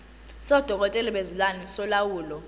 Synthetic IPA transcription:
sɔd̥ʱɔk̬ɔtʼɛliɓezulwanɛsɔlawuːlɔ

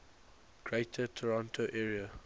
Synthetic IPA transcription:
ɡ̥ɹeɪtʰətʰəɹãntʰoʔɛːɹiə

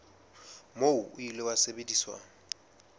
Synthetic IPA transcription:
moʊʊilewasebediswa̰ːŋ̩

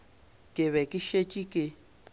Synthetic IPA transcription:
kʼɪβɛkʼɪʃet͡ʃʼikʼɪ

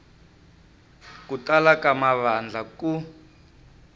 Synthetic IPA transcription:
kutalakamaβand͡ɮʱaku

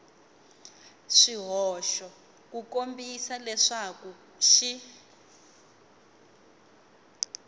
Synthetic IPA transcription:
ʂiɦɔːʃɔ | kukombisalɛʂaku | ʃi

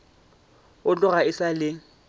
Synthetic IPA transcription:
ʊt͡ɬʼʊɣaɪsalɪ

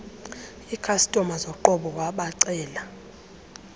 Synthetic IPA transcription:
ikʰastʼɔmazɔǃɔɓɔwaɓaǀɛːla

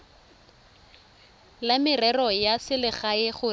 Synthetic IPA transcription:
lamɪrɛrɔjasɪlɪχaɪχʊ

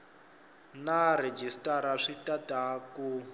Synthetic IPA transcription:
nared͡ʒistaɾaʂitataku

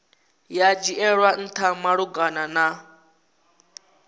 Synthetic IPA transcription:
jad͡ʒiʔɛɺwan̩t̪ʰamaɺuɡanana

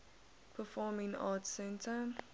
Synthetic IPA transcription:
pʰəfɔːmɪ̃ŋɑ̰ːtsɛ̃ntʰə

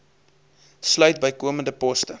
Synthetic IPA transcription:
slœɥtbəjkuəməndəpɔstə

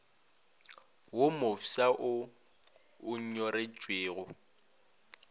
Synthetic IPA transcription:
womofisaʔʊ | ɲ̩ɲɔɾet͡ʃʼweːɣʊ

